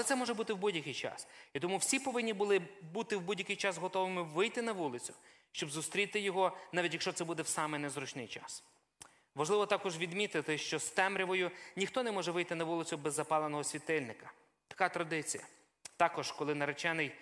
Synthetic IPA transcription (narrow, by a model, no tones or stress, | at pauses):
ɛt̪sɛmɔʒɛbut̪ɪwbudʲjɐkɪjt͡ʃɑ̰sit̪ɔmuwsʲipɔʋɪnʲːibʊlˠɪbut̪ɪwbudʲjɐkɪjt͡ʃɑsɦɔt̪ɔʋɪmɪʋɪjt̪ɪnɐʋulˠɪt͡sʲʊ̥ | ʃt͡ʃɔbzʊst̪ɾʲit̪ɪjɔɦɔnɑʋʲitʲjɐkʃt͡ʃɔt̪sɛbud̪ɛwsɑmɛjnɛzɾut͡ʃnɪjt͡ʃɑ̰s | ʋɐʒlˠɪʋɔt̪ɑkɔʒʋʲid̪mʲit̪ɪt̪ɪʃt͡ʃɔst̪ɛmɾʲiʋɔjʊnʲixt̪ɔnɛmɔʒɛʋɪjt̪ɪnɐʋulˠɪt͡sʲʊbɛzːɐpɑlˠenɔɦɔsʲʋʲit̪ɪlʲnɪkɐ̥ | t̪ɐ̥kɑt̪ɾɐd̪ɪt͡sʲḭjɐ̰ | t̪ɑkɔʒkɔlˠɪnɐɾet͡ʃɛnɪj